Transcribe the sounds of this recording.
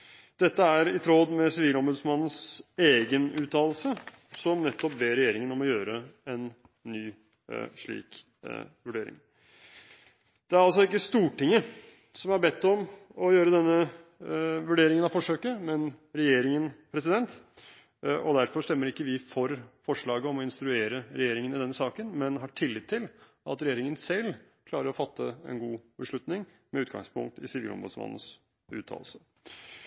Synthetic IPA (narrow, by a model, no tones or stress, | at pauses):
d̪̥ɛt̪ːəæɾɪt̪ʰɾoːd̪mɛsɪʋiːlɔmbʉːd̪smɑnːən̩seːɡənʉːt̪ʰɑːllsə | sɔmnɛt̪ːɔp̚beːɾɛjeːɾɪŋənɔmɔjøːɾəɛnː | yː | ʂɭḭːk | ʋʉɖeːɾɪ̰ŋ | d̪̥ɛæɾɑls̬ɔɪkːəst̪uːʈɪŋːə | sɔmæɾbɛt̪ːɔmɔjøːɾəd̪ɛnːə | ʋʉɖeːɾɪŋənɑfɔʂøːkəmɛnɾɛjeːɾɪŋənpʰɾɛsɪd̪ɛnt̪ | ʔɔd̪æɾfɔʂt̪ɛmːəɾɪkːəʋɪfɔɾfɔʂɭɑːɡəɔmɔɪnst̪ɾʉeːɾəɾɛjeːɾɪŋənɪd̪ɛnːəsɑːkənmɛnɦɑʈʰɪlːɪt̪ʰːɪl | ɑ̰t̪ɾɛjeːɾɪŋənsɛlː | kʰlɑːɾəɾɔfɑt̪ʰːəɛ̰nɡuːbəʂɭʉt̪nɪŋ | mɛʉːt̪ɡɑ̰ŋspʰʊ̰ŋk̚t̪ɪ̰sɪʋḭlɔ̰mbo̰d̪sʋɑ̰nːn̩s | ʉ̰ːt̪ʰɑ̰ːlsə